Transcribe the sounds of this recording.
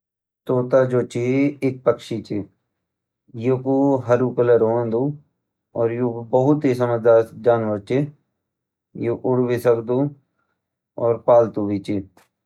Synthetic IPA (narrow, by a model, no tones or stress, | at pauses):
t̪oːt̪aːd͡ʒoːt͡ʃiɪk̚pəkʃit͡ʃi | jukuɦəɾuːkələɾoːnd̪uː | ɔːɾjukbəɦʊt̪ɦiːsəməd̪aːd͡ʒaːnʋəɾt͡ʃi | juʔʊɽʋiːsəkd̪uː | ɔːɾpaːlt̪uːʋiːt͡ʃi